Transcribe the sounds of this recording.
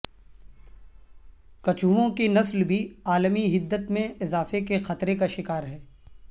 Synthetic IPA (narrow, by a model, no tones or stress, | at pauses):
kɐt͡ʃuʋõkenɐslbʱiaːlmiɦɪd̪ːət̪mẽɪzaːfekexɐt̪ɾekaʃɪkaːɾɦɛː